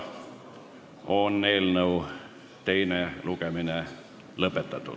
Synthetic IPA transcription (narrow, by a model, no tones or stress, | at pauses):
onneilnəu | t̪e̞inelukemine | lɤpːˑet̪ːɑt̪ːṵ